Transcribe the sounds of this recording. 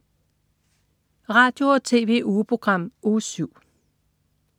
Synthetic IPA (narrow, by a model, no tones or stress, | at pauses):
ʁɑ̈d̥jo̝ɒt͡sʰe̝̰ːʋe̝̰ʔuːpʰʁo̝ɡ̥ʁɑ̈m̰osyʊ̰